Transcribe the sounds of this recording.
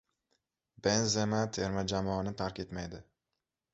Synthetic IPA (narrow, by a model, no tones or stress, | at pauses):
benzemat̪ʰeɾmad͡ʒamɒːnɪt̪ʰaɾkʲe̞t̪majd̪ɪ